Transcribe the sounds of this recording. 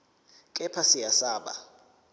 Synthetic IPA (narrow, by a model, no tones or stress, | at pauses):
kʼɛpʰasijasaːɓa̰